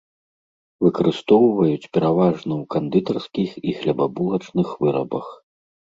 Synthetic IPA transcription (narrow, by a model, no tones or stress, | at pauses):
vɨkɐɾɨst̪ɔwvɐjut͡sʲpʲɛɾavaʐnɐwkand̪ɨt̪ɐrskʲixixlʲɐbabulˠɐt͡ʂnɨxvɨɾɐbɐx